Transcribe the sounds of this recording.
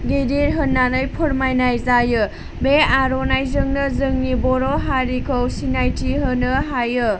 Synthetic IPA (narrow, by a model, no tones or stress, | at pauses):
ɡidiɾɦɯnːanɯjpʰoɾmajnajzajɯ | beaɾonajzɯŋnɯzɯŋnibɔɾɔɦaɾikʰowsinajtʰiɦɯnɯɦajɯ